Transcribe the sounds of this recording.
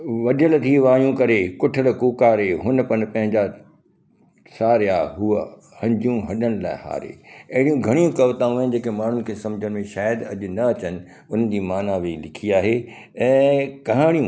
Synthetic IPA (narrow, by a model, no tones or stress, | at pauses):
ʋɐɗʱəlt̪ʰiʋaːjũkɐɾekʊʈʰəɽkuːkaːɾeɦʊnpɐnpɐ̃ɦɪ̃ɲd͡ʑa | saːɾjaːɦuə | hɐ̃ɲd͡ʑijũɦɐɗəɽ̃laːɪha̰ːɾḛːɐɦɪɽijũɡʱɐɽ̃ijũkɐʋt̪aːũɪn̆d͡ʑeːkemaːɳ̤ʊnɪ̆kʰeːsɐ̃md͡ʑʱəɽ̃̆mẽʃaːjəd̪ɐʄʊ̆nɐɐt͡ɕənɪ̆ | ʊn̤ən̆d͡ʑiːmaːnaʋeilɪkʰiaːɦe | ɛ̃ːkɐɦaːɽ̃ijũ